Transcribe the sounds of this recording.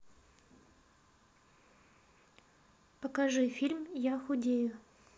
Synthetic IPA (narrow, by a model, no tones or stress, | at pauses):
pəkɐʐɨfʲilʲmjaxʊdʲejʊ